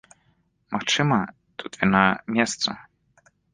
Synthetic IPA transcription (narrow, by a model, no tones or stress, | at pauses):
maxt͡ʂɨmɐ | t̪ʰut̪vʲinamʲɛst̪sɐ̰